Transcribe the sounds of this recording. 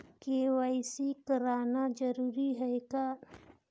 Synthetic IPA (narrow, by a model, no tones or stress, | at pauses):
keːwaːɪsikəɾaːnad͡ʒɐɾuːɾiɦɛeɡa